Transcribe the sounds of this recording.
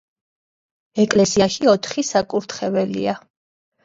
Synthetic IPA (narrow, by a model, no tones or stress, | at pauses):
ɛkʼlɛsiaʃiɔt̪ʰχisakʼuɾt̪ʰχɛvɛlḭa